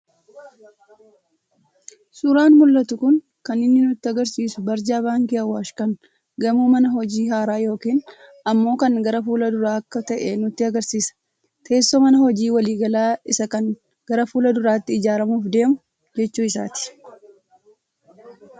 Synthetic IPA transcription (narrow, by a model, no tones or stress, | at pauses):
sʼʊɾaːnmʊlːɐt̪ʊkʊŋ | kɐnɪnːɪnʊt̪ːɪɐɡɐɾsiːsʊbɐɾd͡ʒaːbaːŋkiɐwːaːʃkɐn | ɡɐmuːmɐnɐɦɔd͡ʒiːhaːɾaːjo̞ːkiːn | ɐmːo̞ːkɐŋɡɐɾɐfuːlɐd̪ʊɾaːɐkːɐt̪ɐʔɛnʊt̪ːɪɐɡɐɾsiːsɐ̥ | t̪ʰe̞ːsːoːmɐnɐhɔd͡ʒiːwɐliːɡɐlaːɪsɐkɐŋ | ɡ̥ɐɾɐfuːlɐd̪ʊɾaːt̪ːɪɪd͡ʒaːɾɐmuːfd̪e̞ːmʊ | d͡ʒɛt͡ʃːuːɪsa̰ːt̪ɪ̥